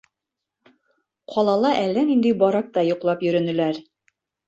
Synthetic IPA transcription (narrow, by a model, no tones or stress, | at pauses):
qʰɒlˠɑlˠɑʔælːænind̪ɘjbɒɾɑk̚t̪ɑjuqlˠɑpjɵ̆ɾɵ̆nɘ̆læɾ